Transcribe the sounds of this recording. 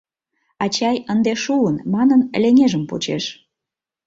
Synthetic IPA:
ɑt͡ɕɑjənd̪eʃuənmɑnənəlʲeŋeʒəmpo̰t͡ɕḛʃ

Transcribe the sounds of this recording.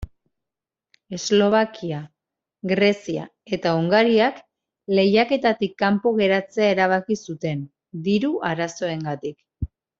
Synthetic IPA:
e̞zlo̞β̞akia | ɣɾe̞sia̰ | e̞t̪auŋɡaɾiak | le̞jake̞t̪at̪ikːampo̞ɣe̞ɾat͡se̞aeɾaβ̞akisut̪e̞n | d̪iɾuaɾaso̞e̞ŋɡat̪ik

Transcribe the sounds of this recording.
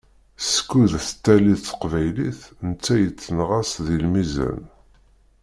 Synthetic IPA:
sə̥kːuðθət̪ːæliθə̥qvæjliθnt͡sːæjət͡sːənʁæsðilmizæ̰n

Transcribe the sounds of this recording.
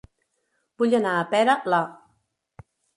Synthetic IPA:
buʎaənaːpɛɾəla

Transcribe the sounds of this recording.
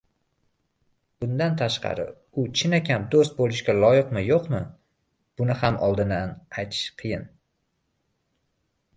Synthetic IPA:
b̥ʊnd̪ant̪ʰaʃqʰɑ̰ɾɪ̰ | ʊt͡ʃʰɪnakʲʰamd̪ost̪̚bolˠɪʃkʲalˠɒjɪqmɪjoqmɪ | b̥ʊnɪhamʔɒlˠd̪ɪnanajt̪ʰɪ̥ʃqʰɨjɪn

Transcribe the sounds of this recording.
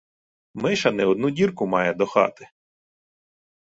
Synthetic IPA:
mɪʃɐnɛɔd̪nudʲirkʊmɑjɛd̪ɔxɑ̰t̪ɪ

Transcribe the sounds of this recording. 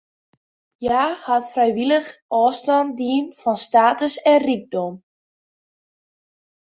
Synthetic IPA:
jaːhatfrɛjʋiləxʔɔːstɑndiənfɔnstaːtəsɛnriɡ̚dɔm

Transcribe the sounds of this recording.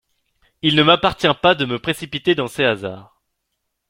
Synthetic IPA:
ilnəmapaʁt̪jɛ̃pad̪əməpχesipit̪ed̪ɑ̃sɛaza̰ːʁ

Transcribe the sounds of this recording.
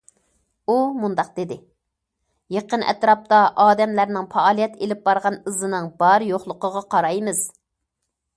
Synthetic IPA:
umund̪ɑq̚d̪ed̪ɪ | jeqənʔɛ̰t̪ɾɑp̚t̪ɑʔɑːd̪ɛmlæɾnɪŋfɑɑːlˠijɛt̪ʰelɪp̚bɑɾʁɑnɨzɨnɨŋbɑɾjoχlˠʊqəʁɑqʰɑɾɑjmɨz̥

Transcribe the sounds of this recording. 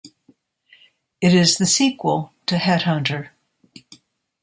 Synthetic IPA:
ɨɾɪzðɨsikwəl̩ˠtʰɨhɛt̚hʌ̃ntə˞

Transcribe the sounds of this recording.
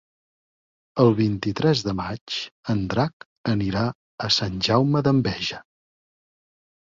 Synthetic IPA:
əlˠβint̪it̪ɾɛzðəmat͡ʃənd̪ɾak | əniɾa | əsanʲʒawməðəmbɛʒə

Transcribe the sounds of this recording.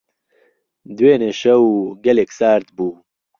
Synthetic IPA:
d̪weːneʃɐwɡɐleksaːɾt̪buː

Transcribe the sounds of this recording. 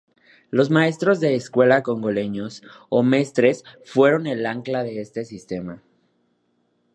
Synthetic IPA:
lo̞zmae̞st̪ɾo̞zðe̞ːskwe̞lako̞ŋɡo̞le̞ɲo̞some̞st̪ɾe̞sfwe̞ɾo̞ne̞laŋklaðe̞est̪e̞sist̪e̞ma

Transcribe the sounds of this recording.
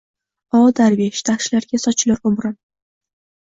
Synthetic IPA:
ɒd̪aɾveʃd̪̥ʰaχʃlaɾɡʲasɒt͡ʃʰlaɾʊmɾɪn

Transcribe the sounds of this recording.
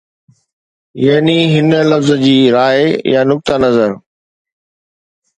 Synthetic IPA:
jɐɦniɦɪnəlɐfzə̆d͡ʑiːɾaːjanʊk̚t̪anɐzəɾ

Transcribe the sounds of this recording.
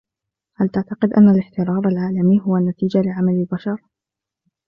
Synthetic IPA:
halt̪aʕt̪aqɪd̪ʔa̰nːalɪħt̪ɪɾˤɑːɾˤalʕaːlamiːɦʊwanːat̪iːd͡ʒalɪʕamalɪlbaʃɑɾˤ

